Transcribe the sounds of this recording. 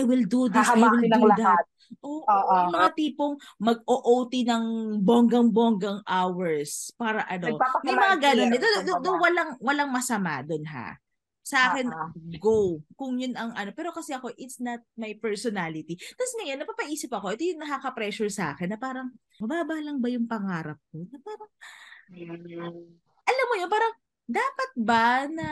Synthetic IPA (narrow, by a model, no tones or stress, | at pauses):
ʔajwɪld̪ud̪ɪsajwɪlud̪ɐt̪̚ | ʔoʔoɐjmɐŋat̪iːpoŋmɐɡ̚oʔowt̪inɐŋboŋɡɐŋboŋɡɐŋʔawɛɹspaːɾɐʔɐnomɐjmɐŋaɡanonːɛd̪od̪d̪ʊd̪ʊŋwɐlaŋwɐlaŋmɐsɐma̰d̪ʊnɦa̰ | sɐʔaːkɛnɡowkʊŋjʊnɐŋʔɐno̞pɛːɾo̞kɐsɛʔɐko̞ʔɪt̪snɐt̪̚majpɛɹsɔnalɪt̪it̪ɐsŋɐjanːɐpaːpɐʔiːsɪpɐko̞ʔɛt̪o̞jʊŋnɐkakɐpɾɛʃʊɹsɐʔa̰ːkɛnːɐpaːɾɐŋ | mɐbaːbalɐŋbɐjʊŋpɐŋaːɾɐp̚ko̞nɐpaːɾɐŋ | ʔɐlamːojopaːɾɐŋ | d̪aːpɐt̪̚bɐnɐ